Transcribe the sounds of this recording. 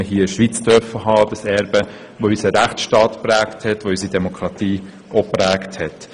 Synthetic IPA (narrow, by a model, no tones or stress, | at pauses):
əɦiːʃʋit͡sd̥œɾfəɦɑːd̥əsɛɾbə | ʋoysəɾæχtʃtɑːtpɾæːkthɛtʋoys̬idɛmokʰɾɑtiː | opɾæːkthɛt